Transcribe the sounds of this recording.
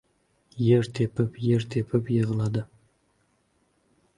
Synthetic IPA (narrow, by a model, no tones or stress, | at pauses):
je̞ɾt̪ʰe̞pɪpje̞ɾt̪ʰe̞pʰɪpjəʁlˠɑd̪ə